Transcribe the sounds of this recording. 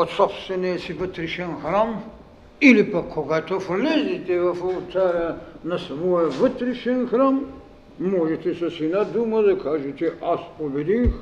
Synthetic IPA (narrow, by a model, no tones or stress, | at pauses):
ot̪sɔpst̪vɛnɛsivət̪ɾiʃɛnxɾam | ilipakʰːoɡat̪oflɛzit̪ɛvɐfolˠt̪aɾɐnɐsɐvɔjəvət̪ɾiʃɛnxɾam | mɔʒɛt̪ɛsɐsinad̪umɐd̪ɐkaʒɛt͡ʃɛʔaspobɛd̪ix